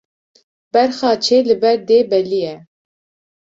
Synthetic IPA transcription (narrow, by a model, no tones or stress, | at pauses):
b̥ɛɾxɑːt͡ʃʰeːlɨbɛɾd̪eːbɛlijɛ